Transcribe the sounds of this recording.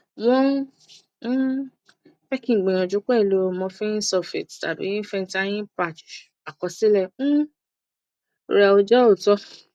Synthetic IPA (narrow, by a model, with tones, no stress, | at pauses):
wɔ̃˦ | fɛ˦kĩ˧˨ɡ͡bẽ˨ɔ̃˨d͡ʒu˨˦k͡pɛ˦˨lo˨˦˨mɔ̃˧fɛ˦ĩ˦sɔ˧˨fe˨tta˨bḭ˨˦nĩ˦fɛ˧n˧ta˧˦j̃ĩ˦pa˦˨t͡ʃ | a˨kɔ˨˧si˦lɛ̃˦˨˦ | ɾa˨o˧d͡ʒɔ˦o˦˨tɔ˧˦